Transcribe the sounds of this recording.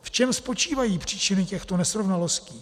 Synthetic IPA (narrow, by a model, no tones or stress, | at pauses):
ft͡ʃɛmspo̞t͡ʃiːvajiːpr̝̥iːt͡ʃɪnɪcɛxt̪o̞nɛsɾo̞vnalosciː